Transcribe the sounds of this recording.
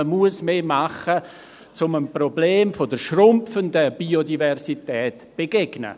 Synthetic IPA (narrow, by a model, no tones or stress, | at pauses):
əmuəsmeːmaχə | t͡sʊmənprobleːmfodəʃrʊmfəndəb̥iodivɛrsitɛːtb̥eɡeɡnə̰